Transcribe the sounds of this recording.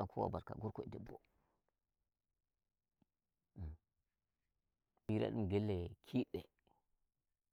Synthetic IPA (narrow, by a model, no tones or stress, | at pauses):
akʰuwa̰baɾka̰ɡuɾkoidibo̰ | miɾa̰ɗumɡelːekʰiɗe